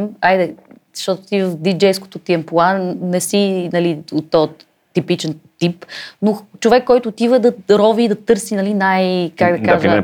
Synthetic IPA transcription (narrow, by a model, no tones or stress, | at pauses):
majd̪ɛzɐʃt̪ɔt̪o̥t̪ivəfd̪id͡ʒɛjsko̥t̪ot̪iɛmplˠanɛsinɐliot̪ːɔ | t̪ipit͡ʃɛnt̪ipnot͡ʃovɛkːɔjt̪ʊːt̪ivəd̪ɐɾɔviːd̪ɐt̪ɤɾsinɐlinajkakd̪ɐkazə